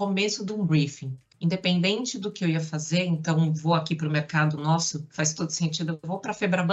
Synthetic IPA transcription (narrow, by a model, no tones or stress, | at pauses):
omesʊd̪ʊ̃ũbɾifĩ | ĩd̪epẽnd̪ẽnt͡ʃɪd̪ʊkɪewiɐfazeɾẽnt̪ɐ̃w̃voakipɾʊmeɾkad̪ʊnɔsʊfajst̪od̪ʊ̥sẽnt͡ʃid̪ʊewvowpɾɐfebɾabɐ̃